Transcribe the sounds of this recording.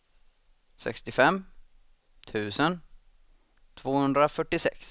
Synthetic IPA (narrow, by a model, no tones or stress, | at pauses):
sɛ̰kst̪ɪfɛmː | t̪ʰʉ̟ːsən | t̪ʰvoːhɵnd̪ɾafœʈːɪsɛ̰ks